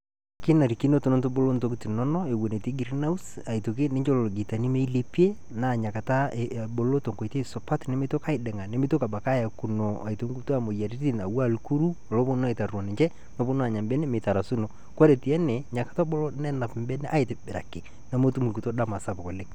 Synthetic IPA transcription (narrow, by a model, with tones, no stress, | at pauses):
ke˦na˨ɾi˨ki˦no˦to˨no˦nto˦bo˦lo˦nto˦ki˦ti˨nɔ˦nɔ˦e˨wo˨ne˨te˦ɡi˨ɾi˦na˦u˦sa˨ito˨ke˦ne˦ɲd͡ʒo˦lo˨lo˨ɡi˨ta˨ni˦me˦i˦le˨pi˦e˦ | na˨ɲa˨ka˨ta˦˨bo˨lo˦to˨ŋko˨i˨te˦˨so˨pa˦tne˦me˦to˦ka˦ɪ˦dɛ˨ŋa˨ne˦me˦to˦ka˨ba˨ka˦ja˨ku˨no˨a̰˨i˨to˦ŋɡu˦ta˦mo˨ja˨ɾi˦ti˦na˨wa˦˨lu˨ku˦ɾu˦o˨lo˦bo˦n˦e˨ta˨rɔ˨ne˨ɲt͡ʃɛ˦ | no˦bo˦n˦a˨ɲa˨mbɛ˦ne˦me˨ta˨ɾa˨su˦no˨ | kwa˦ɾe˨ti˨ɛ˦nɛ˨ɲa˨kḁ˨ta˦bo˦lo˦nɛ˦na˨pmbɛ˦ne˦ʔa˦e˨te˨be˨ɾa̰˨ke˨ | na˨mo˦tu˦mu˨ɡu˨to˦da˦ma˨sa˦po˨ko˨le˦